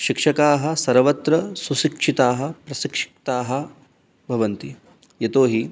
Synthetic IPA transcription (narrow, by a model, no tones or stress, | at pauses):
ʃikʂɐkaːɦɐ̆sɐɾʋɐt̪ɾɐsuʃikʂit̪aːɦɐ̆pɾɐsikʂi̥k̚t̪aːɦɐ̆ | bʱɐʋɐnt̪i | jɐt̪oːɦi